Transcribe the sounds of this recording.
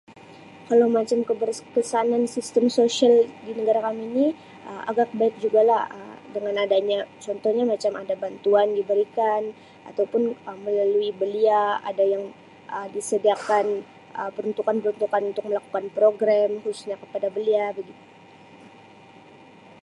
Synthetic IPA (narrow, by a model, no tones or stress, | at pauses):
kalawmat͡ʃamkəbərkəsanansist̪əmsosialdinəɡaɾakamini | ʔəmʔa̰ɡak̚baɪk̚d͡ʒuɡalahə̰dəŋanadaɲat͡ʃɔnt̪ɔhɲamat͡ʃamadabant̪uandibəɾikan | a̰t̪awpʊnəməlaluibəliaa̰dajaŋ | ʔədisədiakan | əpəɾunt̪ukanpəɾunt̪ukanunt̪ʊk̚məlaku̥kanpɾoɡɾamhusʊ̥sɲakə̥padabəliarɡit̪u